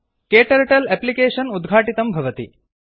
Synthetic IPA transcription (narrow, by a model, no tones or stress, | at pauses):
keːʈɐɾeʈɐlɛplikeːʂɐnud̪ɡʱaːʈit̪ɐmbʱɐʋɐt̪ḭ